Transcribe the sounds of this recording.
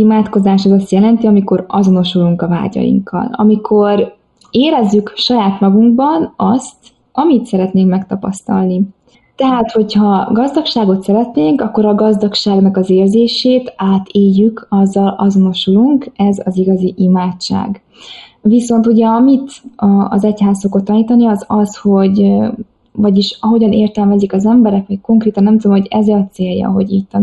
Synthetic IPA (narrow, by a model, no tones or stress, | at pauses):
imaːt̪ko̞zaːʃɛzɒst̪jɛlɛnt̪iɒmiko̞ɾɒzo̞no̞ʃuluŋkɒva̰ːɟɒ̰jḭŋkʰːɒ̰lɒ̰mikʰo̞r | eːɾɛzːykʃɒjaːt̪mɒɡuŋɡbɒnɒst̪ | ɒmit̪sɛɾɛt̪neːŋkmɛkt̪ɒpɒst̪ɒ̰lni | t̪ɛɦaːt̪ho̞chɒɡɒzd̪ɒkʃaːɡo̞t̪sɛɾɛt̪neːŋkɒkːo̞ɾɒɡɒzd̪ɒkʃaːɡnɒkɒzeːrzeːʃeːt̪aːt̪ʰeːjːykʰɒzːɒlɒzo̞no̞ʃuluŋkɛzɒziɡɒziʔimaːt͡ʃt͡ʃːa̰ːɡ | viso̞nt̪uɟɛɒmit̪ɒzɛchaːssokot̪ːɒniːt̪ɒniɒzɒsho̞ɟ | vɒɟiʃɒɦo̞ɟɒneːrt̪ɛlmɛzikɒzɛmbɛɾɛkʋɒcko̞ŋkreːt̪ɒnːɛmt̪ud̪omhoɟɛzɒt̪seːjjːɒ̰ɦo̞̰ɟit̪t̪ː